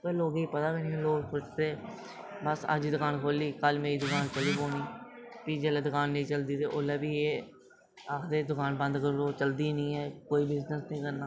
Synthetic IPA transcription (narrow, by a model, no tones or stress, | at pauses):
peloːɡiːpət̪aːkənĩɛ̃loːɡpʊʃt̪eː | bəsə̰d͡ʒiːd̪ʊkaːnkʰoːliːkəlmeːiːd̪ʊkaːnt͡ʃəliːpoːniːpiːd͡ʒeːleːd̪ʊkaːnːəĩːt͡ʃəld̪iːt̪eːʔoːlɛːbiːe | akʰd̪eːd̪ʊkaːnbə̃nd̪kəɾoːt͡ʃəld̪iːnĩːɦɛːkoːiːbɪznəsnĩːkəɾnaː